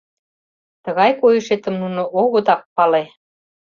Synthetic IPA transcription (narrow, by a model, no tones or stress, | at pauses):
t̪əɣɑjkojəʃet̪ə̆mnunoʔoɣot̪ɑk̚pɑle